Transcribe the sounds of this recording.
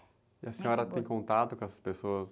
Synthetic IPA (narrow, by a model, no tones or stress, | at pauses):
ɪɐsẽɲɔɾɐt̪ẽj̃kõnt̪at̪ʊkõɛsɐ̥spesoɐs